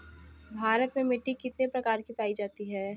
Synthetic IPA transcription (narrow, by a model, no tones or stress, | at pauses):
bʱaːɾət̪mẽmɪʈːikɪt̪nepɾɐkaːɾkipaːid͡ʒaːt̪iɦɛː